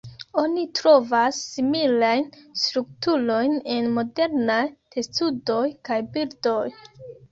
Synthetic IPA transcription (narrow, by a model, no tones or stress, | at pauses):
o̞nitɾo̞vasːimilajnstɾuk̚tulo̞jne̞nmo̞de̞ɾnajtʰe̞studo̞jkajbildo̞j